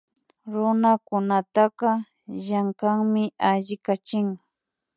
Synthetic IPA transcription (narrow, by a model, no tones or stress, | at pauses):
ɾʊnakʊnat̪aqɑ | jaŋkaŋmɪaʎɪkat͡ʃɪŋ